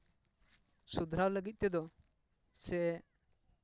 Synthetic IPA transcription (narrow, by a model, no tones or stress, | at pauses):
sud̪ʱɾawləɡit̪̚t̪ɛd̪ɔ | sɛ